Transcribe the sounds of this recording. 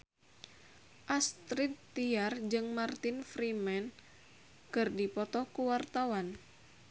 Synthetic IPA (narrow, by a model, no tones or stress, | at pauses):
ʔast̪ɾit̪ː | iard͡ʒɨŋmart̪infɾimɛn | kɨrdipɔt̪ɔkuwart̪awan